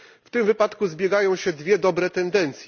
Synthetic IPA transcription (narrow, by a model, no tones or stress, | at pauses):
ft̪ɘmvɘpat̪kuzbʲjɛɡajɔ̃w̃ɕɛd̪vʲjɛd̪ɔbɾɛt̪ɛnd̪ɛnt̪sʲj